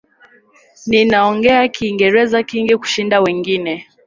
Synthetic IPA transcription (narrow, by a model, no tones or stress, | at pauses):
ninaɔŋɡɛakiːŋɡɛɾɛzakiŋɡiku̥ʃindawɛŋɡinɛ